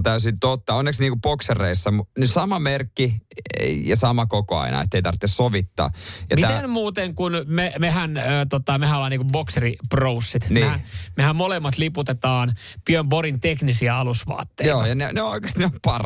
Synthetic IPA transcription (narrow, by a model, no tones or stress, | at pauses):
t̪æysint̪ot̪ːɑonːeksniːŋkupokserːeisːɑmunysɑmɑmerkːi | jɑsɑmɑkokoɑ̰inɑ̰ḛt̪ːeit̪ɑ̰rt̪ːessoʋit̪ːɑ̰ːjɑ̰tmiæt̪enmuːt̪eŋkunmemehænːt̪ot̪ːɑmehænolːɑːniːkumbokseriprousːit̪nieːhænmehæmmolemːɑt̪liput̪et̪ɑːn | pyømboɾint̪eknisiæɑlusʋɑ̰ːt̪ːejioːjɑneneooikest̪neompɑr